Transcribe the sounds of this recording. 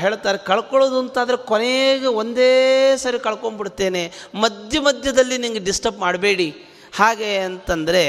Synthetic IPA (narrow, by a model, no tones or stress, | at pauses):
ɦe̞ːɭt̪aːɾekɐɭkoɭoːd̪uɐnt̪aːd̪ɐɾekoneɡeo̞nd̪eːsɐɾikɐɭko̞ɳbiɽt̪ːe̞ːne̞mɐd̪jɐmɐd̪ʱjɐd̪ɐlːiniŋɡeɖisʈɐpmaːɽɐbe̞ːɽi | haːɡeɐnt̪ɐnd̪ɐɾe̞